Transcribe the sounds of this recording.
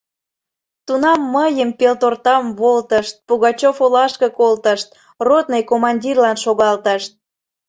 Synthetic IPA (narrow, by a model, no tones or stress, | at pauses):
t̪unɑmːəjəmpelt̪ort̪ɑmβolt̪əʃt̪̚puɣɑt͡ɕofolɑʃkəkolt̪əʃt̪̚ | rot̪̚nejkomɑnʲdʲirlɑnʃoɣɑlt̪əʃt̪̚